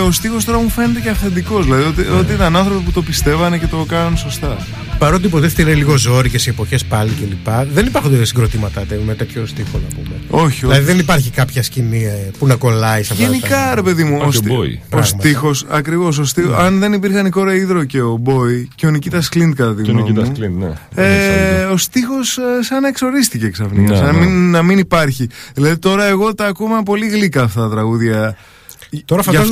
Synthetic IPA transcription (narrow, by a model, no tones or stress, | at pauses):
o̞st̪ixos̬t̪o̞ɾɐmufe̞net̪e̞ceɐfθe̞nd̪iko̞zðilɐðiot̪iot̪̬iit̪ɐnɐnθɾo̞piput̪o̞pist̪e̞vɐnece̞t̪o̞kɐnɐnso̞st̪ɐ | pɐɾot̪iipot̪eft̪ilɐnliɣo̞zo̞ɾicesiepo̞çespɐlicelipɐðe̞nipɐɾxund̪esiŋɡɾot̪imɐt̪ɐt̪emet̪e̞t̪ço̞st̪ixonɐpumeo̞çiolɐðiðenipɐɾçikɐpçɐscinipunɐko̞lɐisɐfʝenikɐɾe̞pe̞ðimuosboḭost̪ixo̞sɐkɾivo̞s̬ost̪ioɐnðenipiɾxɐniko̞ɾɐiðɾo̞ce̞o̞bo̞iceonicit̪ɐsklind̪̚kɐt̪ɐt̪iɣnomuslinnḛeo̞st̪ixo̞ssɐnɐekso̞ɾist̪iceksɐfniɐsɐnɐminːɐminipɐɾçiðilɐðit̪o̞ɾɐe̞ɣo̞t̪ɐːkumɐp̬o̞liɣlikɐːft̪ɐt̪ɐt̪ɾɐɣuðʝɐ | t̪oɾɐfɐ